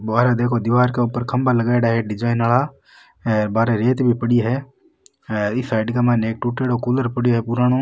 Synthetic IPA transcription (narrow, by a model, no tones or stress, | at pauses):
baːɾed̪eːkʰod̪ɪʋaːɾkeuːpəɾkʰɐmbaləɡaːɽaɦɛɖɪd͡ʒaːɪnaːɭa | ɛːɾbaːɾeɾeːt̪bʱipəɽijɦɛ | ɪsɛːɖkamaneːk̚ʈuːʈeɽoːkuːləɾpəɽijɦɛpʊɾaːño